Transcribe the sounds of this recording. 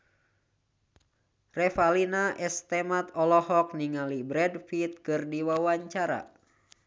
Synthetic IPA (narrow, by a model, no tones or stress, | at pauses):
rɛfalinaʔɛst̪ɛmat̪ɔlɔhɔk̚niŋalibɾɛdfit̪̚kɨrdiwawaɲt͡ʃaɾa̰